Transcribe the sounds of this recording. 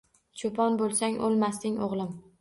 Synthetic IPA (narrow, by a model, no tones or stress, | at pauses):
t͡ʃʰopʰɒnbolˠsaŋʔolˠmast̪ɪŋʔoʁlˠɪm